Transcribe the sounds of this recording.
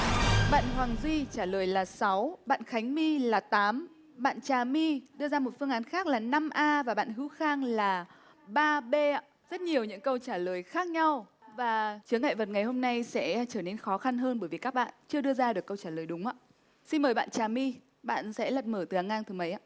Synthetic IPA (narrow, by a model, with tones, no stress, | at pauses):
ɓa̰ː˧˨nɦwaː˨˩ŋzwi˧t͡ɕaː˧˩ləː˨˩jlaː˨˩sa˨˦wɓa̰ː˧˨nxa˨˦jŋ̟mi˧laː˨˩t̪aː˨˦m | ɓa̰ː˧˨nt͡ɕaː˨˩mi˧ɗɨ˧əzaː˧mo˨˩t̚fɨ˧əŋaː˨˦nxaː˦˥k̚laː˨˩na˧mʔaː˧vaː˨˩ɓa̰ː˧˨nhɨ˨˦wxaː˧ŋlaː˨˩ | ɓaː˧ɓe˧a˧˨ | zə˦˥t̚ɲi˨˩əwɲɨ̰˧˥ŋkə˧wt͡ɕaː˧˩ləː˨˩jxaː˦˥k̚ɲa˧wvaː˨˩t͡ɕɨ˨˦əŋa̰˧˨jvə˨˩t̚ŋa˨˩jho˧mna˧jsɛ̰˧˥t͡ɕəː˧˩ne˧nxɔ˨˦xa˧nɦəː˧nɓə˧˩jvi˨˩kaː˦˥k̚ɓa̰ː˧˨nt͡ɕɨ˧əɗɨ˧əzaː˧ɗɨ˨˩əkːə˧wt͡ɕaː˧˩ləː˨˩jɗʊ˨˦ŋ͡mʔa̰ː˧˨ | si˧nməː˨˩jɓa̰ː˧˨nt͡ɕaː˨˩mi˧ | ɓa̰ː˧˨nsɛ̰˧˥lə˨˩p̚məː˧˩t̪ɨ˨˩ʔaː˨˩ŋʔaː˧ŋt̪ɨ˨˩mə˨˦jʔa̰ː˧˨